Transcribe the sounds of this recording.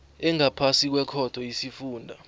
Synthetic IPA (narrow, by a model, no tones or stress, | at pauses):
ɛŋapʰasik̬wɛkʰɔd̥ʱɔjisifuːndʱa